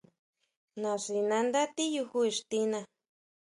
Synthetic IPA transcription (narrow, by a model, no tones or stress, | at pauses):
nasinãnd̪at̪ijuxuiʂt̪ina